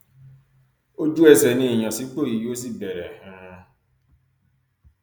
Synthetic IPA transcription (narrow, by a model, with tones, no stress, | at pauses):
o˦d͡ʒu˦ɛ˦sɛ˨nĩ˦i˨j̃ã˨si˨˦k͡po˦˨i˨jo˦s̬i˦bɛ˨ɾɛ˨hã˨˦˧